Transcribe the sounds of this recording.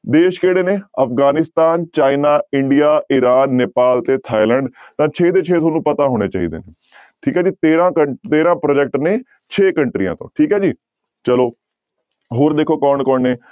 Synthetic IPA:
d̪eːʃkeːɽeːneːəpɡaːnɪst̪aːnt͡ʃaːinaːɪɳɖɪjaːʔɪɾaːnːeːpaːlt̪eːt̪ʰaːilɛːɳɖt̪ãːt͡ʃʰeːd̪eːt͡ʃʰeːt̪ʰoːnũːpət̪aːɦoːɽ̃eːt͡ʃa̰ːḭːd̪ḛːneː | ʈʰiːkɦɛːd͡ʒiːt̪eːɾãːkət̪eːɾãːpɾoːd͡ʒɛk̚ʈnẽː | t͡ʃʰeːkəɳʈɾijã̰ːt̪õ̰ːʈʰiːkɦɛːd͡ʒiː | t͡ʃəloː | ɦoːɾd̪eːkʰoːkɔːnkɔːɳeː

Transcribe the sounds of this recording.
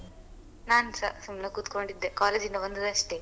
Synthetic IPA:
naːnsɐsumnɐkuːt̪koɳɖid̪ːekaːleːd͡ʒindɐʋond̪ɐd̪ɐʂʈe

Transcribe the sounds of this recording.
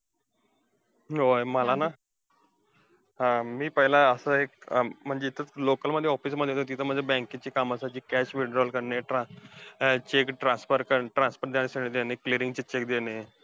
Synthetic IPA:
ojməlana | ɦãmiːpəɦilaəsəek̚m̤əɳd͡ʑeit̪əlokəlməd̪ʱːjeɔfiːsməd̪ʱːjet̪ot̪iːt̪ʰəm̤əɳd͡zʱebɛ̃ŋkit͡ɕiːkaməsat͡ɕiːkæɕʋiɖɾɔlkəɾneʈã | t͡ɕekʈɾãspəɾkəʈɾãnspəɾd̪jaɽ̃esəɽed̪enekliɾiŋɡt͡ɕet͡ɕek̚d̪ene

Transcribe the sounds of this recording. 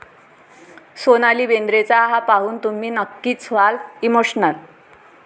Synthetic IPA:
sonaliːbend̪ɾet͡saɦapaɦuːnt̪um̤iːnəkːiːt͡sʰʋalimoɕnəl

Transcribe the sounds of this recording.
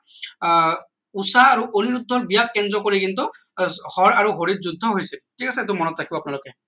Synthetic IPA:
usaːɹuʔoniɹudʱːɔɹbijakːɛndɹɔkoɹikintʊ | hɔɹaɹuɦoɹit̚zudʱːɔɦojsɛtʰikasɛːt̬ʊmɔnɔtːɹakʰibɔapunalʊkɛ

